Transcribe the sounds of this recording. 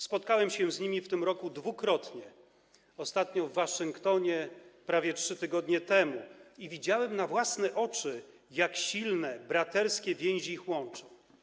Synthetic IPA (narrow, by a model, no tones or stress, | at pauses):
spɔt̪̚kawɛmɕɛ̃zɲimʲift̪ɘmɾɔkud̪vukɾɔt̪ɲɛ | ɔst̪at̪ɲɔvːaʂɨŋkt̪ɔɲɛpɾavʲjɛtʂɘt̪ɘɡɔd̪ɲɛt̪ɛmuivʲid͡ʑawɛmnavwasnɛʔɔt͡ʂɘ | jakɕilnɛbɾat̪ɛɾskʲɛvʲjɛ̃w̃ʑiixwɔnt͡ʂɔ̃w̃